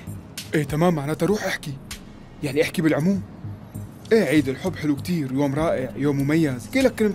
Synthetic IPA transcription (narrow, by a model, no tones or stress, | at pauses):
ʔeːt̪amaːmːaʕnaːt̪aɾˤuːħʔaħki | jaʕniʔaħkibɪlʕʊmuːm | ʔeːʕiːd̪ɪlħʊbːħɪlukt̪iːɾjoːmɾˤɑːʔɪʕjoːmːʊmajːazkiːlakːalɪm